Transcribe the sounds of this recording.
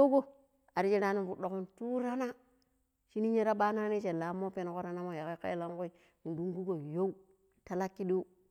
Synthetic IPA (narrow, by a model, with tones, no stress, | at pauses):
o˦ɡo˦ | a˨ɾi˦d͡ʒi˦ɾa˦ni˦fu˨ɗo˨ki˦ntu˦ɾa˦na˦ | ʃi˦ni˦ɲe˦ɾa˦ɓa˦na˦ni˦t͡ʃe˨la˨˦mːo˦pe˦n˨ko˦ɾa˦na˦mo˨ja˨ki˦kḛ˦la˦ŋku˦i˨ | mu˨du˦ŋɡu˦ɡo˨jo˦u˦ | ta˦la˦kːi˦ɗi˦